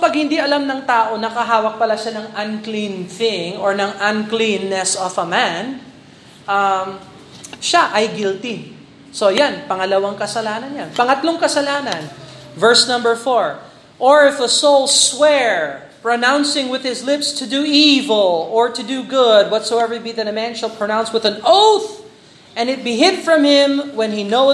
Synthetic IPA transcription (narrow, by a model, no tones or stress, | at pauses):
ɐpaɡ̚hɪnd̪iʔɐlamnɐŋt̪aːʔo̞nɐkɐɦaːwɐk̚pɐlaʃanɐŋɐnklĩnθɪŋɔɹnɐŋʔɐnklĩnːɛsɔfɐman | ʔam | ʃaʔɐjɡɪlt̪in | so̞janpɐŋɐlɐwaŋkɐsɐlaːnɐnjanpɐŋɐt̪loŋkɐsɐlaːnɐnvɛɹsnɐ̃mbəɹfɔɹ | ʔɔɹɪfəsoʊlˠswɛɹ | pɹonãw̃nsɪ̃ŋwɪðhɪslɪpst̪ʰʊd̪uivɛlˠɔɹt̪ʊd̪uɡʊd̪̚wɔt̪soʊɛvə˞t̚biðɛɾɐmæ̃nʃɐlˠpɹonãw̃nswɪðɐ̃noʊθ | ʔɛ̃nɪt̪̚biɦɪd̪fɹɐ̃mhɪ̃mwɛ̃nhino